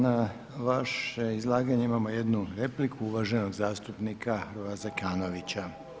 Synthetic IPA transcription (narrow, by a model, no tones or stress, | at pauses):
na | ʋaʃeizlˠaːɡaɲeimamo̞je̞d̪nuɾe̞plikʰuuʋaʒe̞no̞ɡzaːst̪upnikʰaxɾʋazakaːno̞ʋit͡ɕa